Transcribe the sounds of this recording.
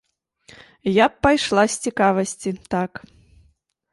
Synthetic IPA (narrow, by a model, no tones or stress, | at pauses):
japːajʂlˠasʲt͡sʲikavɐsʲt͡sʲit̪ak